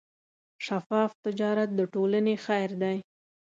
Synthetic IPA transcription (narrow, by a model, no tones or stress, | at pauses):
ʃafɑft̪ɪd͡ʒɑɾat̪̚d̪əʈolənexajɾd̪aj